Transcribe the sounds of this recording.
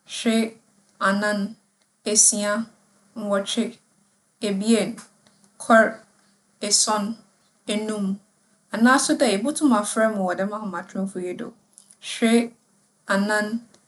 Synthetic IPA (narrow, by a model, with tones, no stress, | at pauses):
ɕᶣɾɪ˦ | a˨nã˦n | e˨si˦a˦ | n̩˦wɔ˨t͡ɕʰɪ˦ | e˨bi˦e˦˨n | kʰɔ˦ɾ | e˨sɔ̃˦n | e˦nũ˦m | a˨nãː˦sʊ˦dɛ˨e˨bʊ˦tʰʊ̃˦mã˨fɾɛ˦mʊ̃˨wɔ˨dɛ˦mã˦hʊ̃˨mã˨tʰʊ̃˦fʊ˨jɛ˦do̰˨ | ɕᶣɪ˦ | a˨nã˦n